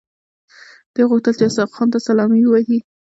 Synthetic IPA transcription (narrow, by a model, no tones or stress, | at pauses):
d̪̥eɣʊxt̪əlt͡ʃeasɑfxɑnt̪asalɑmiwahi